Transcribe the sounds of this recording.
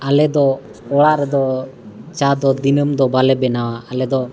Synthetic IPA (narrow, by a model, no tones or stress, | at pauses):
alɛd̪ɔ | ɔɽaʔɾɛd̪ɔ | t͡ʃad̪ɔd̪inəmd̪ɔbalɛbɛnawaːlɛd̪ɔ